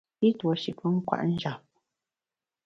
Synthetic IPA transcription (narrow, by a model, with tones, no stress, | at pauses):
i˦twə˨ʃi˨pwə˦ŋ̩˦kwa̰˨ʔn̩˦d͡ʒa˨p̚